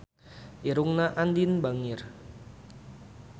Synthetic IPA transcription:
ʔiɾuŋnaʔandinbaŋɪr

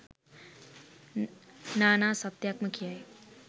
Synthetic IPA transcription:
naːnaːsɐt̪jaːkməkʰijae

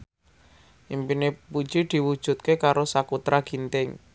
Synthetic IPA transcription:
ʔimpinepu̥d͡ʒid̪̥i̤wud̥ʒ̥ṳt̪̚kekaɾosakut̪ɾaɡ̥i̤nt̪ɪŋ

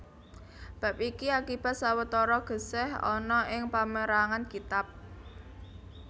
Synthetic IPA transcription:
b̥a̤pikiakib̥a̤t̪̚sawət̪ɔɾɔɡ̥ə̤sɛhɔ̰nɔʔɪŋpaməɾaŋankit̪ap̚

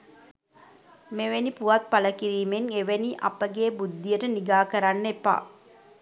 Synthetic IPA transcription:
meʋenipuʋat̪̚paləkiɾiːmeŋeʋeniʔa̰pəɡeːbud̪ːijəʈəniɡaːkəɾanːepa̰

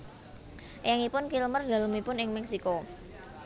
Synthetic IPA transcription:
jaŋipʊnkilmərd̪̥ä̤ləmipʊnɪŋmɛksiko

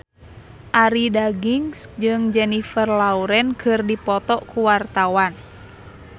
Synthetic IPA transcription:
ʔaɾidaɡiŋsd͡ʒɨŋd͡ʒɛnifərlauɾɛnkʰɨrdipɔt̪ɔʔkuwart̪awan

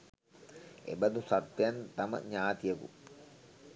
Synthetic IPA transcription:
ḛbɐd̪usat̪ʋjant̪amə̰ɲaːt̪ijəkṵ

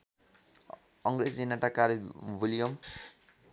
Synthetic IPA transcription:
ʌŋɡɾed͡zinaʈakaɾbʱulijʌm

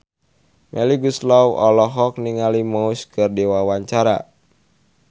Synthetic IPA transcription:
mʔɛliɡuslawʔɔlɔɦɔk̚niŋalimauskɨrdiwawaɲt͡ʃaɾa̰

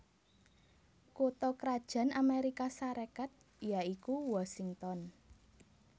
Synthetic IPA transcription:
kot̪ɔkɾad̥ʒ̥ä̤nameɾikasaɾakat̪̚ | jaikuwasiŋt̪ɔn

